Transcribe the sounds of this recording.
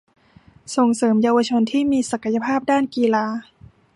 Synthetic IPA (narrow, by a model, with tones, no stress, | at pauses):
so˨˩ŋsɤː˩˦mjaː˧wa˧t͡ɕʰo˧nt̪ʰiː˥˩miː˧sa˨˩ka˧ja˧pʰaː˥˩p̚daː˥˩nkiː˧laː˧